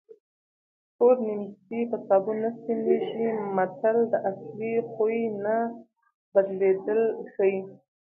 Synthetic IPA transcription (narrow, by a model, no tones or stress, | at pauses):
ʈoɾnimt̪ipasɑbunasineʒimat̪ald̪əʔaslixujna | bad̪led̪əlxəji